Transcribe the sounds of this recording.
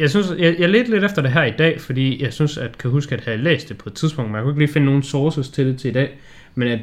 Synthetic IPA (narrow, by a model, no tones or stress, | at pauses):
jɑ̈ɪsynsjɑɪjɑ̈ɪle̝ːd̥əle̝ɾ̥efd̥ɐd̥e̝ɦæɐ̰id̥ɛ̰ːfɒ̽d̥ḭːjɑ̈ɪsynsæd̥kʰæɦusɡ̥əæd̥ehælḛːsd̥ːe̝pʰɒ̽ed̥t͡sʰiðˠsb̥ɔ̽ŋd̥mnjakueɡliːfe̝nəno̝ːn̩soːsəst͡sʰe̝ld̥e̝t͡sʰe̝id̥ɛ̰ː | menæ